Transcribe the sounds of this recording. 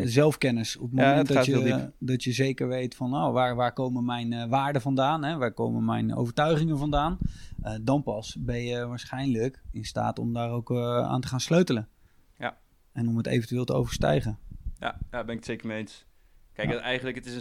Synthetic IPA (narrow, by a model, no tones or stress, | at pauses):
zɛlˠfkɛnəsɔ̰pətmomɛɛntdəlˠidɔtjəzejkəɹʋejtfɔnowʋaːɹʋaːɹkowməmɛjnʋaːɹdəvɑndaːnɦɛʋaːɹko̰wməmɛ̰jno̰wvəɹtœɥχɪŋənvɑndaːnədɑnpɑsbɛnjəʋaːɹsχɛjnləkɪnsta̰ːtɔ̰mdaːɾowka̰ːntəχaːnsløɥtələ | ɛnɔmətḛjvəntyɪːlˠtəo̰wvəɹstɛ̰jχəja̰jabɛnɪkətsejkəɹmeejns | kɛj̰ɛjχənləkətɪs